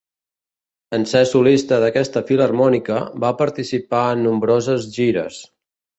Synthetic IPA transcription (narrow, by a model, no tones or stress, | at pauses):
ənsɛsulist̪əðəkɛst̪əfilərmɔnikəbapəɾt̪isipaənːumbɾozəzʒiɾə̰s